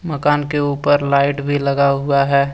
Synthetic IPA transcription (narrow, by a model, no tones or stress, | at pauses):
məkaːnkeuːpəɾlaːɪʈbʱilɐɡaɦʊaɦɛː